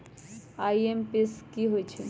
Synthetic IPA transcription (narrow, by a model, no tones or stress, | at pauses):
ajempeskiɦojt͡ʃʰi